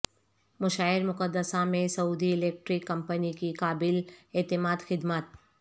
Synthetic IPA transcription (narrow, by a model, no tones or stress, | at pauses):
mʊʃaːɪɾmʊkəd̪ːəsamẽsɐuːd̪iɪleːk̚ʈɾɪkːɐ̃mpənikikaːbɪleːt̪ɪmaːd̪xɪd̪mət̪̚